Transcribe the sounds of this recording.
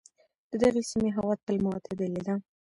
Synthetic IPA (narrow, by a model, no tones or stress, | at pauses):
d̪̥əd̪əɣesimeɦawɑt̪ːəlmaat̪ʰed̪əled̪a